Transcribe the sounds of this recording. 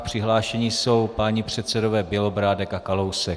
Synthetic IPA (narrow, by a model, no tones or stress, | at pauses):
pr̝̥ɪɦlaːʃɛɲiso̞wpaɲipr̥ɛt̪sɛdo̞vɛːbjɛlo̞bɾaːdɛkakalo̞wsɛ